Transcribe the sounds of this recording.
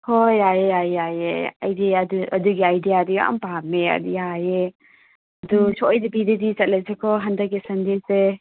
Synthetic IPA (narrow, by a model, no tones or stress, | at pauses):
hojajeajajḛa̰jdiɐduɐduɡiajdijadia̰a̰mpamːeɐ̰diaje | ɐdusʰɔɔjdibidedit͡ʃɐt̚lɐzekʰɔɦɐndɐk̚ːisɐndese